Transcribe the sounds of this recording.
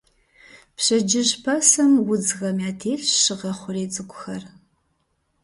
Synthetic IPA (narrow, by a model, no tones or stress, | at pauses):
pɕɐd͡ʒɪʒpʰɐsɐmwʊd͡zɣɐmjaːtʰeːɬʃɨʁɐχʷʊreːt͡sʼɨkʷʼʊxɐr